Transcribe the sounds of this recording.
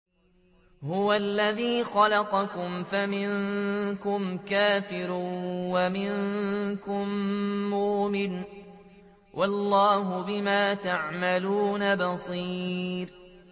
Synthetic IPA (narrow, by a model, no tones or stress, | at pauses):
hʊwalːaðiːxɑlɑqɑkʊmfamɪnkʊmkaːfɪɾwamɪŋkʊmːuːmɪn | wʔɑlˤːɑːɦʊbɪmaːt̪aʕmaluːnabɑsˤiːɾ